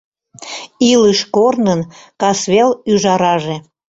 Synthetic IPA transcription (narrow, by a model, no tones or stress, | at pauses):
iləʃkornənkɑsβelyʒɑɾɑʒe